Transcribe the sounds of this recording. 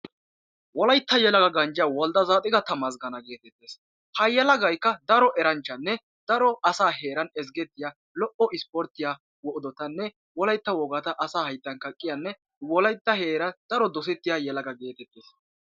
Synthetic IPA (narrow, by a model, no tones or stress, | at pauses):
wɔlɐjt̪ːɐjɛlɐɡɐɡɐnd͡ʒɪjaːwɔld̪ɐzaːt̪ʼɪɡɐt̪ɐmɐzɡɐnɐɡe̞ːt̪ɛt̪ːeːs | hɐjɛlɐɡɐjkːɐd̪ɐɾɔʔɛɾɐnt͡ʃːɐnːɛ | d̪̥ɐɾɔɐsaːɦe̞ːɾɐnɛs̬ɡɛt̪ːɪjaː | lɔʔɔʔɪspɔɾt̪ːɪjaː | wɔʔɔd̪ɔt̪ɐnːɛ | wɔlɐjt̪ːɐwɔɡɐt̪ɐʔɐsaːhɐjt̪ːɐŋkɐkʼːɪjɐnːɛ | wɔlɐjt̪ːɐhe̞ːɾɐnd̪ɐɾɔd̪ɔs̬ɛt̪ːɪjajɛlɐɡɐɡe̞ːt̪ɛt̪ːeːs